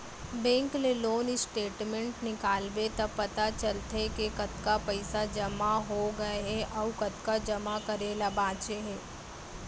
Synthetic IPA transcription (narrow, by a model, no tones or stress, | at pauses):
bɛ̃ːŋkleloːnɪsʈeːʈmẽɳʈnɪkaːlbet̪ɐpɐt̪at͡ʃɐlt̪ekekɐt̪kapɐɪsad͡ʒɐmaɦoɡɐeɦɛʔɔʋkɐt̪kad͡ʒɐmakɐɾelabaːt͡ʃeɦeː